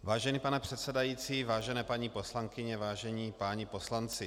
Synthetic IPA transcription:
vaːʒɛnipanɛpr̥ɛt̪sɛdajiːt͡siːvaːʒɛnɛːpaɲiposlaŋkɪɲɛvaːʒɛɲiːpaːɲiposlant͡sɪ

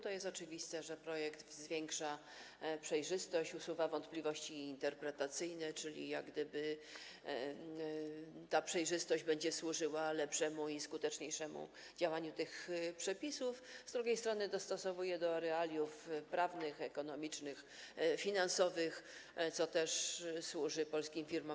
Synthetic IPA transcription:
t̪ɔjɛst̪ɔt͡ʂɘvʲist̪ɛʐɛpɾɔjɛkd̪vzvʲjeŋkʂa | pʂɛjʐɘst̪ɔɕt͡ɕusuvavɔnt̪plʲivɔɕt͡ɕiːnt̪ɛɾpɾɛt̪at̪sɘjnɛt͡ʂɘlʲḭjaɡd̪ɘbɘ | t̪apʂɛjʐɘst̪ɔʑd͡ʑbɛɲd͡ʑɛswuʐɘwalɛpʂɛmuiskut̪ɛt͡ʂɲejʂɛmṵ | d͡ʑawaɲut̪ɘxpʂɛpʲisufzd̪ɾuɡʲejst̪ɾɔnɘd̪ɔst̪ɔsɔvujɛd̪ɔɾɛalʲjufpɾavnɘxɛkɔn̪ɔmʲit͡ʂnɘx | fʲinansɔvɘxt̪sɔt̪ɛʂswuʐɘpɔlskʲimfʲiɾmɔm

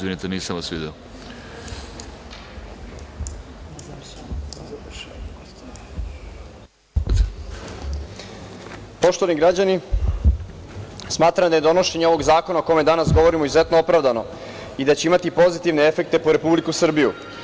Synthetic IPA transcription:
zʋinit̪eniːsamʋasʋid̪io | po̞ʃt̪oʋaniɡɾad͡ʑani | smaːt̪ɾamd̪aje̞d̪o̞no̞ʃe̞ɲeo̞ʋo̞ɡzaːko̞naoko̞jmed̪anasɡo̞ʋo̞ɾimo̞izuze̞t̪noopɾaʋd̪ano̞ | id̪at͡ɕeimat̪ipo̞zit̪iʋneefe̞k̚t̪e̞poɾe̞publikusr̩biju

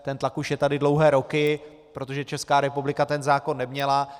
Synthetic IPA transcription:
t̪ɛnt̪lakuʃjɛt̪adɪdlo̞wɦɛːɾo̞kɪ | pɾo̞t̪o̞ʒɛt͡ʃɛskaːɾɛpublɪkat̪ɛnzaːko̞nːɛmɲɛla

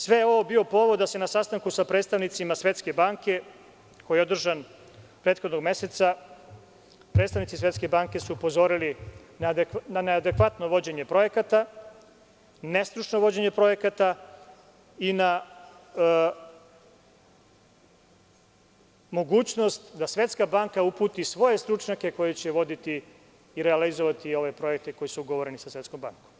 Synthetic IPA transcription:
sʋe̞jeo̞ʋo̞bio̞po̞ːʋo̞d̪d̪ase̞nasast̪aŋkusapɾeːt̪st̪aʋnit̪simasʋe̞t̪ske̞baːŋke̞ | ko̞jeo̞d̪r̩ʒan | pɾe̞ːt̪xod̪no̞ɡme̞set̪sa | pɾet̪st̪aʋnit̪sisʋe̞t̪ske̞baːŋke̞suːpo̞zo̞ːɾili | nananead̪e̞kʋat̪no̞ʋo̞d͡ʑe̞ɲe̞pɾo̞je̞kat̪a | ne̞st̪ɾut͡ʃno̞ʋo̞d͡ʑe̞ɲe̞pɾo̞je̞kat̪a | ina | mo̞ɡuːt͡ɕno̞st̪d̪asʋe̞t̪skabaŋkaupuːt̪isʋo̞je̞st̪ɾut͡ʃɲake̞ko̞jet͡ɕe̞ʋo̞d̪it̪iː | ɾealizoʋat̪io̞ʋe̞pɾo̞jek̚t̪eko̞jisuɡoʋoɾenisasʋʲet̪sko̞mbaŋkom

